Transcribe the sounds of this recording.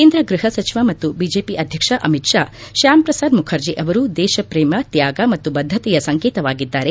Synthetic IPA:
keːnd̪ɾɐɡɾɪɦɐsɐt͡ʃiʋaːmɐt̪ːubiːd͡ʒeːpiʔɐd̪ʱjɐkʂɐʔɐmitʂaːʃaːmpɾɐsaːd̪mukʰɐɾd͡ʒiʔɐʋɐɾud̪ɛːʃɐpɾeːmɐt̪jaːɡɐmɐt̪ːubɐd̪ʱːɐt̪ɛjɐsɐŋkeːt̪ɐʋaːɡid̪ːaːɾe

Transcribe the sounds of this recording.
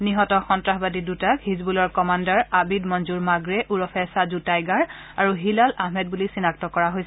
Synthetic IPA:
niɦɔtɔxɔntɹaɦbadidutakhizbulɔɹkɔmandaɹabidmɔnzuɹmaɡɹɛʔuɹɔpʰɛsazutajɡaɹ | aɹuɦilalaɦmɛd̚bulisinak̚tɔkɔɹaɦojsɛ

